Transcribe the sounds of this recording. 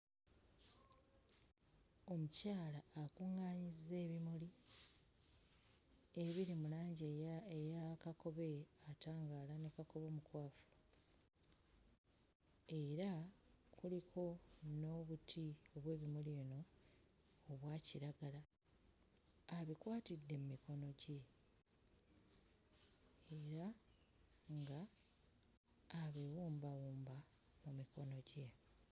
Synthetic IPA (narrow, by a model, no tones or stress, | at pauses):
o̞mucaːlaːkuŋːaːɲizːe̞ːβimuli | eβiɾimulaːɲɟejakako̞βe̞ataːŋɡaːlanekako̞βo̞ːmukwaːfu̥ | e̞ɾakʰulikʰo̞no̞βutʰio̞βwe̞ːβimulino̞ː | βwaːciɾaɡala | βikwaːtidːe̞mumiko̞no̞ɟe | ɾa | ŋɡa | βewuːmbawuːmba | mumiko̞no̞ɟe̞